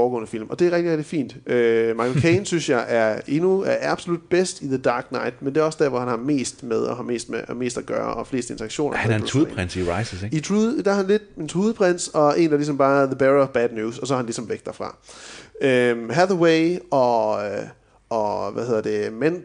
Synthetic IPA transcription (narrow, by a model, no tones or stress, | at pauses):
ɒːɡɔ̰̽ːnəfil̰mɒ̽d̥e̝æɐʁɛɡ̥̚d̥iʁɛɡ̥d̥ifḭːnd̥ømɑ̈ɡkʰensynsjɑ̈ɪʔæɐe̝nuæɐɑb̥so̝lud̥̚b̥esd̥iðəd̥ɑ̈ːɡ̥nɑ̈ɪd̥mend̥e̝æɒ̽sd̥æɐʋɒhænhɑ̈me̝̰ːsd̥með̞ˠɒhɑ̈me̝̰ːsd̥meme̝̰ːsd̥æɡ̥ɶːɐ̰ʔɒfle̝ːsd̥əe̝nt͡sʰɐɑ̈ɡ̥ɕo̝̰ːnɐuðˠʰʁɛnsiʁɑɪsəseɡit͡sʰuðˠd̥ɑhænle̝d̥ent͡sʰʁuːðˠpʰʁen̰̥sɒ̽e̝ːnd̥ɑ̈lisɒ̽mb̥ɑ̈ːðəb̥æʁɒb̥æd̥njuːsɒ̽sɒ̽hɑhænlisɒ̽mʋeɡ̥̚d̥æfʁɑ̰̈ | øɦæðəweɪɒ̽ | ɒʋæhe̝ð̰ˠɐd̥e̝men